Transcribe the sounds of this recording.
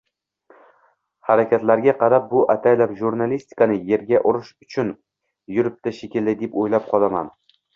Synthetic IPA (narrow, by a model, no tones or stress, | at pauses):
haɾakʲʰat̪laɾɡʲaqʰɑɾap̚bʊʔat̪ʰajlapʒuɾnalist̪ɪ̥kʰanɪje̞ɾɡʲaʔʊɾɪʃʊt͡ʃʰʊn | jʊɾɪp̚t̪ʰaʃekʲɪlɪd̪epojlap̚qʰɒlˠama̰n